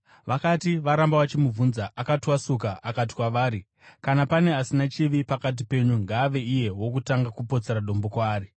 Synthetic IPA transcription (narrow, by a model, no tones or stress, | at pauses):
ʋakatiʋaɾambawat͡ʃimuvunzaʔakatiwasukaʔakat̬i̥kwaʋaːɾi | kanapane̞asinat͡ʃiʋipakat̬ipe̞ɲuŋɡaːʋe̞ije̞wo̞kutaŋɡakupo̞t͡se̞ɾaɗo̞mbo̞kwaːɾi